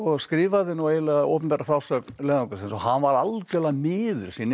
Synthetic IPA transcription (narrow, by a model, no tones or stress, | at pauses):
ɔɣskɾiːvaðɪnuwejlaɣao̰wpʏmpɛɾafɾaːwsœknlɛːðnaŋkʏɾsɪnsɔhanvaɾalkɛlamɪːðʏ̰ɾ̥siːnɪ